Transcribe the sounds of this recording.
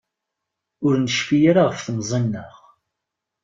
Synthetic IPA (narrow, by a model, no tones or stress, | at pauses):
ʊɾnʃfijaɾaʁəfθmzˤənːəʁ